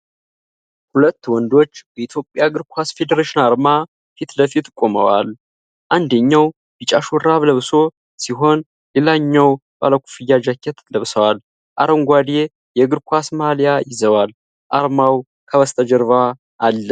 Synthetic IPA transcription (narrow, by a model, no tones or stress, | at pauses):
hulət̪ːwɔnd̪o̞t͡ʃːbɛit̪ʰjo̞pʼːjaɡɨɾkʷʰasfe̞d̪əɾeʃɪnaɾma | fit̪ləfit̪kʷʼːomə̰wa̰l | ʔand̪əɲːaw | b̥it͡ʃʼaʃɔɾaβləβso̞ | siɦo̞n | lelaɲːawbʼa̰ləkʷʰʼu̥fɨjːad͡ʒakʰːɛt̪ləβsəwal | ʔa̰ɾəŋɡʷad̪je | jɛɡɨɾkʷʰasmalijajɪzəwal | ʔaɾmaw | kʰəβəst̪ʰəd͡ʒəɾva | ʔːlːə